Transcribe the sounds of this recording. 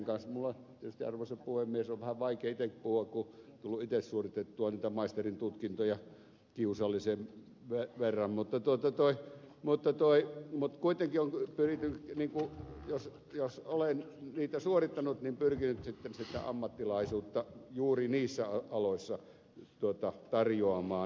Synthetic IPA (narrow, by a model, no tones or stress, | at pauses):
ŋkɑnsmulːɑt̪iet̪yst̪iɑ̰rʋoseppuhemːiesoʋʋæhæʋʋɑikeːit̪ekpuhuɑkkut̪ulːuit̪essuorit̪et̪ːuɑniːt̪æmɑist̪erint̪ut̪kint̪ojɑ | kiusɑlːiseʋ | ʋeʋerːɑmmut̪ːɑt̪uot̪ɑt̪oimut̪ːɑt̪oimut̪kuit̪eŋkioŋpyrit̪ːyniːŋkujos | josolenniːt̪æsuorit̪ːɑnut̪nimpyrkinyt̪sit̪ːensit̪æ̰ɑ̰mːɑt̪ːilɑˑisuːt̪ːɑjuːriniːsːæɑɑloˑisːɑ | t̪uot̪ɑt̪ɑrjoɑmɑː